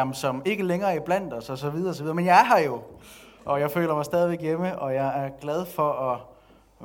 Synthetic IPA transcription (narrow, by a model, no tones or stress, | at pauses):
msɒ̽me̝ɡ̥əleŋɐːib̥læn̰d̥ɒsɒ̽sɒ̽ʋið̞ˠɐɒsɒʋiðˠɐːmenjɑ̈ɦɑ̈jo̝ʔɒ̽jɑ̈ɪfø̰ːlɐmɑ̈ɪsd̥ɛːðˠiʋeɡ̥jeməʔɒ̽jɑ̈ɪæɐɡ̥lɛð̞ˠfɒ̽ʔɒ